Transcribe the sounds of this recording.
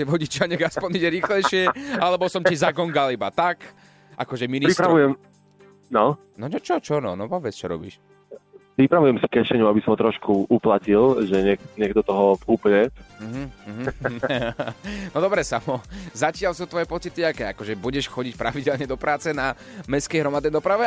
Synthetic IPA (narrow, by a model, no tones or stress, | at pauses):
t̪ɛʋɔɟit͡ʃɪaɲɛxaspɔɲiɟɛɾiːxlɛjʃɪɛalɛbɔsɔmcizaɡɔŋɡalibat̪ak | ʔa̰kɔʒɛminpiɾispɾaʋujɛm | nɔ | nɔɛt͡ʃɔt͡ʃɔnɔ̰nɔpɔʋɛt͡st͡ʃɔ̰ɾɔ̰bḭʃ | pɾipɾaʋujɛmsi̥kɛʃɛɲuabisɔmɔt̪ɾɔʃkʰuʔuplacilʒɛɲɛkɲɛɡ̚d̪ɔt̪ɔɦɔfkupɲɛm̩ɦm̩ɦ̩ | nɔd̪ɔbɾɛsamɔzacɪalsut̪ʋɔjɛpɔt͡sit̪iakɛakɔʒɛbuɟɛʃxɔɟic̚pɾaʋiɟɛlɲɛd̪ɔpɾaːt͡sɛna | mɛskɛjɦɾɔmad̪nɛjd̪ɔpɾaʋɛ